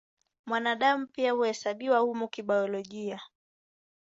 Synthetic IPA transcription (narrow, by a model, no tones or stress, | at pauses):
mwanaɗamupiahuhɛsaɓiwahumukiɓaɔlɔʄia